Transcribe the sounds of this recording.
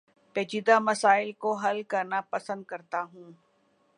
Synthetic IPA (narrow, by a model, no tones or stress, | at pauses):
pɛːd͡ʒid̪amɐsaːɪlkoɦɐlkɐɾnapɐsə̃nd̪̚kɐɾt̪aɦũː